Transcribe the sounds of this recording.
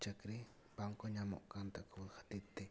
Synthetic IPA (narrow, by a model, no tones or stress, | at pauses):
t͡ʃakɾi | paŋkoɲamo̰ʔkant̪akxḁt̪ɪt̪ːe